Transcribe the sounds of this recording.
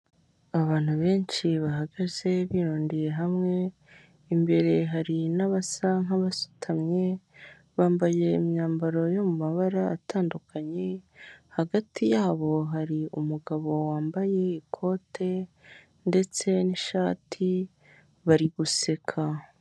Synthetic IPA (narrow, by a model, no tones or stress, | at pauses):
aβaːn̥huβe̞ːnt͡ʃiβaɦaɡaze̞βiɾuoːndije̞ɦamŋe̞ | imbe̞ɾe̞ɦaɾinaβasaŋaβasu̥tʰamɲe̞ | βaːmbaje̞ḭmɲaːmbaɾo̞jo̞mumaβaɾa̰ːtaːndukʰaɲe̞haɡatʰijaːβo̞ɦaɾiumuɡaβo̞waːmbaje̞ikʰo̞ːtʰe̞ | nde̞t͡se̞niʃaːtʰi | βaɾiɡuse̞kʰa